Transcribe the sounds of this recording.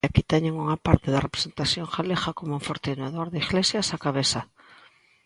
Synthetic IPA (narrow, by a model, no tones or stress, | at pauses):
akit̪ɛɲeŋuŋapaɾt̪ɪðɐrepɾe̥sent̪aθjoŋxaleɣakomuɱfoɾt̪inaðoɾðeiɣlesjasakaβesa